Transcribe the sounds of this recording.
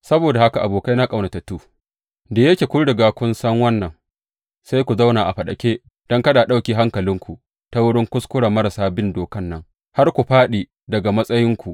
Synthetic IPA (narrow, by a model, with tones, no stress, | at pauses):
sɐ˦boː˨da˨ha˦ka˨ʔa˨boː˨ka˦jna˦kʼɐ˨wna˨tɐ˨tuː˦ | da˨jɐ˦kʲeː˨kʷʊ˦ɾdɐ˨ɡa˨kʷʊ˦nsɐ˦ŋwɐ˦nːɐ˨ŋ | sa˦jkʷu˨za˦wnaː˨ʔa˨ɸɐ˨ɗɐ̰˨kʲeː˦ | d̥ɔ˦ŋkɐ˦ɗa˨ɗa˦wkʲiː˦˨ɦa˦ŋkɐ˨lɪ˦ŋkʷu˨ | ta˦wʊ˦ɽɪ˦ŋkʷʊ˦skʷʊ˦ɽa˨mɐ˦ɾa˨saː˦bɪ˦ndoː˨kɐ˦nːɐ˦ŋ | ha˦rkʷu˨ɸaː˦ɗiː˨ | dɐ˨ɡa˨mɐ˦sʼɐ˦jɪ˦ŋkʷu˨ʔ